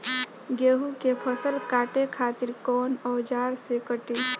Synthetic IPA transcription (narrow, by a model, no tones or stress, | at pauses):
ɡeɦukepʰəsəlkaʈekʰat̪iɾkɔnɔwd͡ʒaːɾsekəʈi